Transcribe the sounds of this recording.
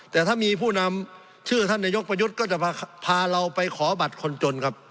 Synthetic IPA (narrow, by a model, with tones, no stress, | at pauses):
t̪ɛː˨˩t̪ʰaː˥˩˨miː˧pʰuː˥˩na˧m | t͡ɕʰɯː˥˩t̪ʰa˥˩˨nːa˧jo˦˥k̚pa˧ju˦˥t̪̚kɔː˥˩t͡ɕa˧˩pːpʰaː˧ɾa˧wpa˧jkʰɔː˩˦ba˨˩t̪̚kʰo˧nt͡ɕo˧nkʰa˦˥p̚